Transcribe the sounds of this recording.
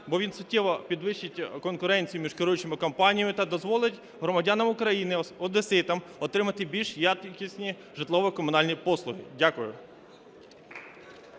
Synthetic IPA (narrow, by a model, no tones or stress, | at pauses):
bɔʋʲinsʊtʲːiʋɔpʲid̪ʋɪʃt͡ʃːɪtʲkɔnkʊɾɛnʲt͡sʲijʊmʲiʃkɪɾujʊt͡ʃemɪkɔmpɑnʲijɐmɪt̪ɐd̪ɔzʋɔlˠɪtʲ | ɦɾɔmɐdʲanɐmʊkɾɐjinɪɔd̪esɪt̪ɐm | ɔt̪ɾɪmɐt̪ɪbʲilʲʃjɑt̪kʲisʲnʲi | ʒɪt̪lˠɔʋɔkɔmʊnɑlʲnʲipɔslˠʊɦɪ̰dʲakʊjʊ